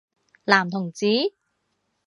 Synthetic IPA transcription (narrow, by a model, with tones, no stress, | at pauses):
laː˨˩mt̪ʰʊ˨˩ŋt͡siː˨˥